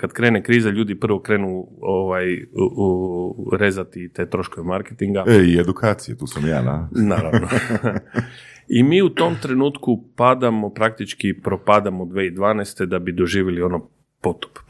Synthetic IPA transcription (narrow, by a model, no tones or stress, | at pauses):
kad̪kɾeːnekɾiːzaʎuːd̪ipr̩ʋo̞kɾe̞ːnuoʋaj | ɾezat̪it̪ejt̪ɾo̞ʃkoʋemaɾket̪iŋɡaeied̪ukʰaːt̪sijet̪uːsamja̰ːna̰naːɾaʋno | imiːut̪o̞mt̪ɾe̞nuːt̪kupad̪amo̞pɾak̚t̪it͡ʃkipɾopaːd̪amod̪ʋeːid̪ʋaːnɛst̪e̞d̪abid̪oʒiːʋjelio̞no | pot̪o̥p